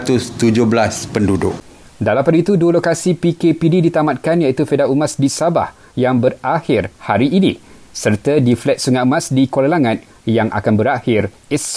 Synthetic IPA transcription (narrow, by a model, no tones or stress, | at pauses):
t̪ʊst̪ud͡ʒʊhbəlaspəndudʊk̚ | dalampadit̪uduəlokasipikepididit̪amat̪̚kanjait̪ufedaumasdisaba̰h | jaŋbərahɪrhaɾiʔːnḭ̃ | sərt̪adiflɛt̪̚suŋaʔmãsdikwolalaŋãn | jaŋʔa̰kanbəɾahɪr | ɛs